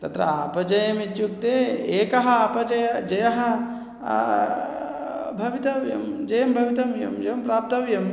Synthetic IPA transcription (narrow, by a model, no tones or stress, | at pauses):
t̪ɐt̪ɾɐ̰apɐd͡ʒɐjɐmid͡ʒuk̚t̪eeːkɐɦɐapɐd͡ʒɐjɐd͡ʒɐjɐɦɐ | bʱɐʋit̪ɐʋjɐ̰md͡ʒɐjɐmbʱɐʋit̪ɐmjɐ̰md͡ʒeʋɐmpɾaːp̚t̪ɐʋjɐm